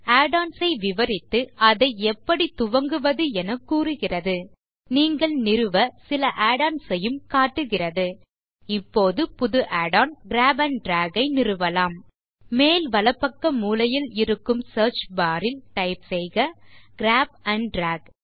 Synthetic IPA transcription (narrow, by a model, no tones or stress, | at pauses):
aːɽaːnsɐɪʋɪʋɐɾɪt̪ːɯɐðɐɪɛpːɐɽit̪ʊʋɐŋɡɯʋɐðɯɛnɐkːuːrɯɣɪrɐðɯ | niːŋɡɐɭnɪɾɯʋɐsɪlɐʔaːɽaːnsɐjɯmkaːʈːɯɣɪrɐðɯ | ɪpːoːðɯpʊðɯʔaːɽaːnɡɾaːbɐɳɖɾaːɡɐɪnɪrɯʋɐlaːm | meːlʋɐlɐpːɐkːɐmuːlɐjɪlɪɾɯkːɯmsɐːɾt͡ʃbaːɾɪlʈɐɪpsɛjɣɐɡ̥ɾaːb̚ɐɳɖɖɾaːɡ